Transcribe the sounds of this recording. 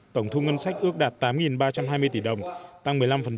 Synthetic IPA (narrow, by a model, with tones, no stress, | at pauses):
t̪ə˧˩wŋ͡mt̪ʰu˧ŋə˧nsa˦˥jk̟̚ʔɨ˦˥ək̚ɗaː˨˩t̚t̪aː˨˦mŋi˨˩nɓaː˧t͡ɕa˧mhɦaː˧jmɨ˧əjt̪i˧˩ɗə˨˩wŋ͡mt̪a˧ŋmɨ˨˩əjla˧mfə˨˩n